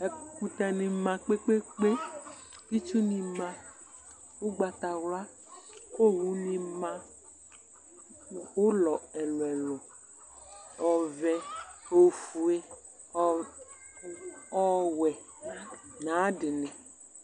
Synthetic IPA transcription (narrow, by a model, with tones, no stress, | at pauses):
e˨ku˦t̪a˨nĩ˨mã˨k͡pe˦k͡pe˦k͡pe˦ | i˦t͡ʃu˦nĩ˨mã˨ | wu˦ɡ͡ba˨t̪a˨wla˦ | ko˦˨wu˦nĩ˨mã˦ | o˦lɔ˨ɛ˨lɔ˨ɛ˨lɔ˨ | ɔ˨vɛ˨o˦fu˨e˦ | ɔ˦ | ɔ˦wɛ˨ | nã˨˦dɪ˨nɪ̃˨